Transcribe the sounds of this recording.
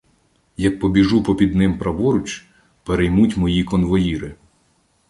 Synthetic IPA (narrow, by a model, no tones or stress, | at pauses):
jɐk̚pɔbʲiʒupɔpʲid̪nɪmpɾɐʋɔɾʊt͡ʃ | peɾejmutʲmɔjikɔnʋɔjiɾɪ